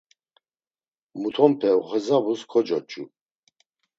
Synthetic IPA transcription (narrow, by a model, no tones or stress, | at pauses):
mut̪ʰɔmpʰɛʁɛzabuskʰɔd͡ʒɔt͡ʃʼṵ